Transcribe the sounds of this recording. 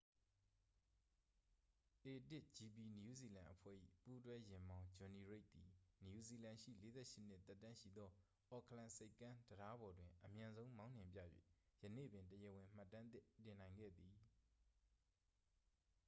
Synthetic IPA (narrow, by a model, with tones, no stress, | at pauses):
ʔe˨tɪ˦ʔd͡ʑi˨pi˨nju˦zi˨lã˨ʔəpʰwɛ̰˦˨ʔḭ˦˨pu˦twɛ˦jɪ̃˨mbã˦ʊ̃d͡ʑɔ̃˨ni˨ɹe˦ɪʔ̚t̪i˨nju˨zi˨lã˨ʃḭ˦˨le˨˦zɛ̰˦˨ʃɪ˦n̥ɪ˦ʔt̪ɛ˦tːã˦ʃḭ˦˨d̪ɔ˦ | ʔɔ˨kʰlã˨se˦ɪkːã˦ndəɾa˦bɔ˨dwɪ̃˨ʔəmjã˨nzõ˦ʊ̃mã˦ʊ̃n̥ɪ̃˨mpjä̰˦˨jwḛ˦˨jənḛ˦˨bɪ̃˨ntəjə˨wɪ̃˨m̥a˦˨tːã˦t̪ɪ˦tɪ̃˨nã˨ɪ̃ŋɡɛ̰˦˨d̪i˨